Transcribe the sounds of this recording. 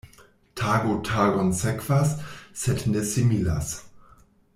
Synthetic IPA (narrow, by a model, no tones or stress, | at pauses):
tʰaːɡotʰaːɡɔnsɛkv̥asːɛtnesimila̰s